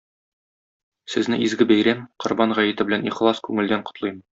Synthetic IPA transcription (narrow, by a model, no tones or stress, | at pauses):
sɘ̆znɘizɡɘbæjɾæmqŏɾbɑnʁæjɘ̆t̪ɘ̆bɘ̆læniχlˠɑskʉŋɘ̆ld̪æɴqŏ̥t̪lˠɤjmɤ